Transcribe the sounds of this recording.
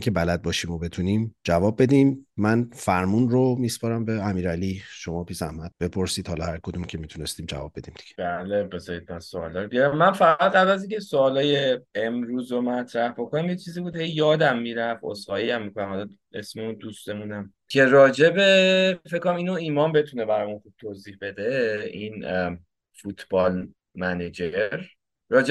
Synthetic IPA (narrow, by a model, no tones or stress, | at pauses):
ŋkcʰe̞bælæd̪̚bɒːʃiːmobe̞t̪ʰuniːmd͡ʒævɒːbːe̞d̪iːmːænfæɾmunromiːspɒɾæmbeæmiːɾæliʃomɒːpʰiːzæhmæd̪̥̚b̥e̞pʰoɾsiːd̪̥hɒːlɒhæɾkʰod̪umcʲʰe̞miːt̪ʰunest̪iːmd͡ʒæ̰vɒ̰ːb̚ːe̞d̪̥iːmd̪̥i̥ɡ̥eb̥ælebezɒid̪̚mænso̰ːlɒːɾobiɾæmːænfæɣæd̪ʁæblæziŋcʰesoːlɒːjeemɾuːzomæt̪ʰɾæhbo̞kʰonæmjet͡ʃʰiːziːbuːd̪he̞jːɒːd̪æmːiɾævo̰shɒːjiæmːikʰonæmhɒlɒ | e̞̰smeund̪usd̪emunæm | cʰe̞ɾɒːd͡ʒebefekʰːonæmiːnoiːmɒːmbe̞t̪ʰunebæɾɒjmunχub̥̚t̪ʰoːziːhbe̞d̪ein | fut̪ʰb̥ɒːl | mæned͡ʒeɾː | ɒːd͡ʒe